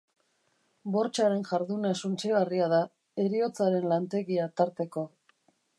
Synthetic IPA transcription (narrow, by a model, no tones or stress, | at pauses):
bo̞ɾt͡ʃaɾe̞nʝaɾðunesunt͡ʃeɣariaða | e̞ɾio̞t͡saɾe̞nlant̪e̞ɣiat̪aɾt̪e̞ko̞